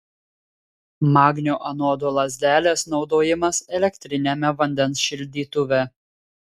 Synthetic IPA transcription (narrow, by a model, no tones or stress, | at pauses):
mɑːɡnʲoːʔɐnoːd̪oːlˠɐzʲd̪ʲæːlʲeːsnɒʊd̪oːjɪmɐsɛlʲɛkʲt̪ʲɾʲɪnʲemʲɛʋɐnʲd̪ʲɛnsʃʲɪlʲd̪ʲiːt̪ʊʋʲɛ